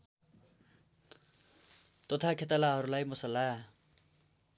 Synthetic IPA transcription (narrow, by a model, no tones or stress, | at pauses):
t̪ʌt̪ʰakʰet̪alaɦʌɾulajmʌsʌlːa